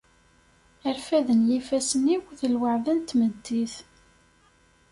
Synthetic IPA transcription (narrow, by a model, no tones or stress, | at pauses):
əɾfæðənjifæsəniwθəlwəʕðænt̪məd̪ːiθ